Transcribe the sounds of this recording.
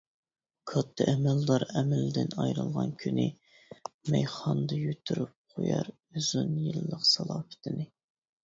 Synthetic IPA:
kʰɑt̪ʰːɨʔɛmæld̪ɑɾɛmɛld̪ɪnɑjɾɨlˠʁɑnkʲʰynɪ | mɛjχɑnd̪ɨjyt̪ʰːyɾyp̚qʰojɑɾ | yzynjilˠːəqsɑlˠɑːfɪ̥t̪ʰɪnɪ

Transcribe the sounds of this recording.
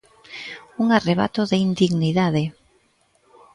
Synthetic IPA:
uŋareβ̞a̰t̪oðeind̪iɣniðaðe

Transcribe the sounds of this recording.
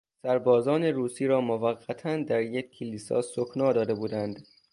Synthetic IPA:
sæɾbɒːzɒːne̞ɾuːsiːɾɒːmovæɢːæt̪ʰænd̪æɾjekʰːeliːsɒ̰ːsokʰnɒːd̪ɒːd̪e̞buːd̪ænd̪

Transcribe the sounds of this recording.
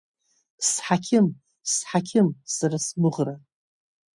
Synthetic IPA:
sħakʲʰɪm | sħakʲʰɪmsarasmɨʁra

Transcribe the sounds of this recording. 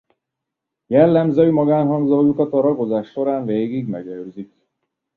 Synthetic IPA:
jɛlːɛmzøːmɒɡaːnɦɒŋɡzojukɒt̪ɒɾɒɡo̞zaːʃːo̞ɾaːɱveːɡiɡmɛ̰ɡɛløːzik

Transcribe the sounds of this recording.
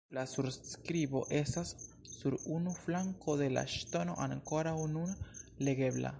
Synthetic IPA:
lasuɾskɾiβoʔesasː | uɾunuflaŋkoðela̰ʃt̪onoʔankoɾaununleɡeβla̰

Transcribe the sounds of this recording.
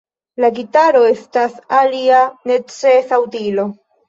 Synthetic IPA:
laɡitaɾo̞e̞stasalianet͡sesawtilo

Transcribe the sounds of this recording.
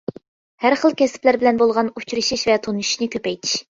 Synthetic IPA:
hæɾχəlˠkʲʰɛsɪ̥plæɾbɪlɛnbolˠʁɑnut͡ʃʰɾɨʃiʃvɛt̪ʰonuʃi̥ʃnɨkʲøpɛjt̪ʰɪ̥ʃ

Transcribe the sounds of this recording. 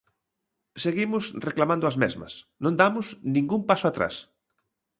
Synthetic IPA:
seɣimʊsreklamãnd̪ʊɐzmeɛ̰zmɐ̰snõnd̪amʊsnĩŋɡumpasʊat̪ɾa̰s

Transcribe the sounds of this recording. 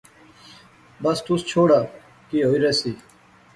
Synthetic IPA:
bəst̪ʊst͡ʃʰoːɽaː | kiːɦoːiːɾɛːsiː

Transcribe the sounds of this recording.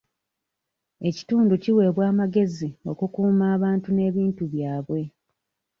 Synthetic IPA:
e̞ci̥tuːnduciwe̞ːβwaːmaɡe̞zio̞̰kukuːmaːβaːntune̞ːβiːntuβjaːβwe̞

